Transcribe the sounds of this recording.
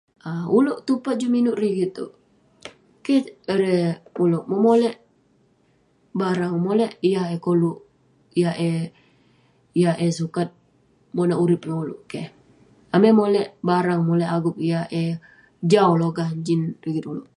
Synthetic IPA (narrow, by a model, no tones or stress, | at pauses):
auloʔt̪upat̪̚d͡ʒuminʊʔriɡit̪̚ːo̰ | kɛəɾɛuloʔmomolɛʔ | baɾaŋmolɛʔijaekoluʔ | ijaɛ | ijaʔesukat̪̚ | monaʔuɾɪp̚laulo̰ʔkɛh | amemolɛʔbaɾaŋmolɛʔaɡʊp̚ijaɛ | d͡ʒauloɡaɲd͡ʒinriɡit̪uloʔ